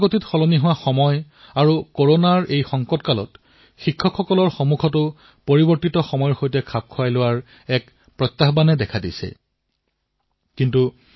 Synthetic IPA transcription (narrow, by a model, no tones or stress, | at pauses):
ɡotitxɔlɔniɦʊwaxɔmɔj | aɹukoɹonaɹejxɔŋkɔtkalɔ̰t | xikʰːɔkʰxɔkɔlɔɹxɔmukʰɔtʊ | poɹibɔɹtitɔxɔmɔjɔɹxojtɛkʰap̚kʰʊwajlʊwaɹ | ɛk | pɹɔtːaɦbanɛdɛkʰadisɛ̰ | kintu